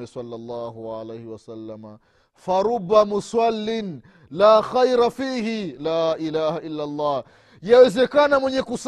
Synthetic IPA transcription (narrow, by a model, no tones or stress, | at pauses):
ɛswɑlːɑlˤːɑːɦuʕa̰lejhiwasalːama | faɾubːamuswalːin | laːxajɾafiːhilaːʔilaːhaʔilːalˤːɑː | jawɛzɛkanamwɛɲɛkus